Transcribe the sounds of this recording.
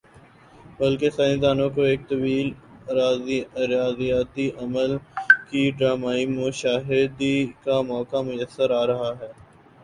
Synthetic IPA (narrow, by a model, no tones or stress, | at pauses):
bɐlkesaːɪ̃nd̪aːnõkoeːk̚t̪ɐbiːlɾaːzɾaːzijaːt̪iʔɐməlkiɖɾaːmaːimʊʃaːɦɪd̪ikamɔːkamʊjəsːəɾaːɾɐɦaɦɛː